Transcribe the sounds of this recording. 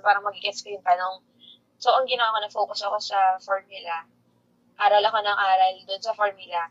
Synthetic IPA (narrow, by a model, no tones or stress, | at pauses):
paːɾɐŋmɐɡ̚ikɛskɐjʊnt̪ɐno̞ŋ | soːʔoŋɡɪnɐwakonɐfoːkʊsɐko̞sɐfoɹmʊlɐ | ʔaːɾɐlɐko̞nɐŋʔaːɾɐld̪ʊnsɐfoɹmʊlɐ